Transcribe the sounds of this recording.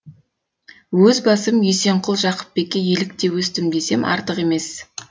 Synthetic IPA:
wɵzbɑsəmjese̞ɴqʰʊlˠʒɑqə̥p̚be̞kʲːejelɪk̚t̪e̞wɵst̪ɪmd̪e̞se̞mʔɑ̰ɾt̪əqe̞mes

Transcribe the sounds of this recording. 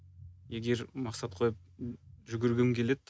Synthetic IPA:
je̞ɡʲe̞ɾmɑqsɑt̪̚qʰo̞jəp̚ʒʏɡʲɪɾɡʲemkʲʰe̞le̞d̪

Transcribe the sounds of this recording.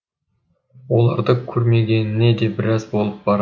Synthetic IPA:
wolˠɑ̰ɾd̪əkʲʰɵɾme̞ɡʲe̞nɪne̞d̪e̞bɪɾɑzbo̞lˠəp̚bɑɾ

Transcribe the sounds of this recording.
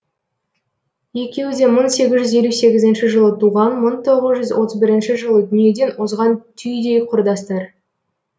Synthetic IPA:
je̞kʲe̞wɪd̪e̞məɴse̞ɡʲɪzʒʏzje̞luse̞ɡʲɪzɪnʃɪʒəlˠət̪ʰuʁɑnməɴt̪ʰo̞ʁəzʒʏzwo̞t̪əzbɪɾɪnʃɪʒəlˠəd̪ʏnije̞d̪e̞nwozʁɑnt̪ʰʏjd̪ejqʰʊɾd̪ɑst̪əɾ

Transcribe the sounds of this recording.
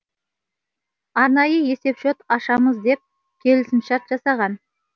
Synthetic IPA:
ɑɾnɑjəje̞se̞pʃot̪ɑʃɑməzd̪e̞p̚ | kʲʰe̞lɪsɪmʃɑɾt̪ʒ̥ɑsɑʁɑn

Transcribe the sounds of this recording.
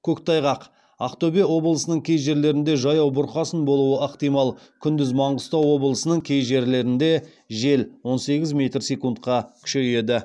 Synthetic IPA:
kʲʰɵkt̪ʰɑjʁɑq | ɑ̰qt̪obewo̞blˠəsənəɴkʲʰejʒe̞ɾle̞ɾɪnd̪e̞ʒɑjɑwbʊɾqɑsənbo̞lˠuəʔəqt̪ijmɑlˠ | kʲʰʏnd̪ɪzmɑɴʁʊst̪ɑwo̞blˠəsənəɴkʲʰe̞jʒe̞ɾle̞ɾɪnd̪e̞ | ʒe̞lwo̞nse̞ɡʲɪzmʲe̞t̪rsekunt̪qɑkʲʰʏ̥ʃe̞je̞d̪ɪ

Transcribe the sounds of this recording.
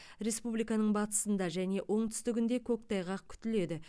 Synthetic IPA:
ɾe̞spublijkɑnəɴbɑt̪ə̥sənd̪ɑʒæne̞ʔo̞ɴt̪ʰʏ̥st̪ɪɡʲɪnd̪e̞kʲʰɵk̚t̪ɑjʁɑq̚kʲʰʏ̥t̪ɪle̞d̪ɪ

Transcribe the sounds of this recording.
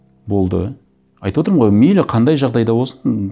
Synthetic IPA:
bo̞lˠd̪ə̰ | ɑjt̪wot̪əɾmʁojmelɪqʰɑnd̪ɑjʒɑʁd̪ɑjd̪ɑwo̞sən

